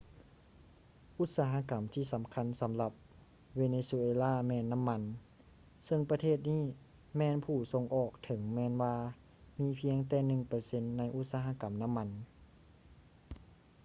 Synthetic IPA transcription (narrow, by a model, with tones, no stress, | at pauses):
ʔu˧˥t̪̚saː˧˥ɦa˧˨ka˩˦mt̪ʰiː˧˨sa˨˦mkʰa˧˥˨nsa˨˩˦mla˧˩p̚ | ʋeː˧neː˧su˧ʔeː˧laː˥˨mɛː˧nːa˧˥˨mːa˧˥n | sɤ˧ŋpa˧t̪ʰeː˥˩t̪̚niː˥˩˨ | mɛː˧npʰuː˧˩so˧ŋʔɔː˨˩k̚t̪ʰɤ˩˦ŋmɛː˧nwaː˧ | miː˧˥pʰi˧˥əŋt̪ɛː˧˩nɯ˨˩ŋpɤ˧se˧˥nːa˧˥jʔu˧˥t̪̚saː˧ɦa˧˨ka˨˩˦mna˧˥˨mːa˧˥n